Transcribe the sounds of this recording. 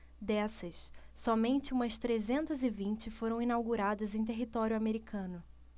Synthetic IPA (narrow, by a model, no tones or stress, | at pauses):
d̪ɛsɐssɔmẽnt͡ʃɪũmɐst̪ɾezẽnt̪ɐzɪvĩnt͡ʃɪfoɾɐ̃w̃inawɡuɾad̪ɐzẽj̃t̪̬eɦit̪ɔɾʲjʊameɾikʰɐ̃nʊ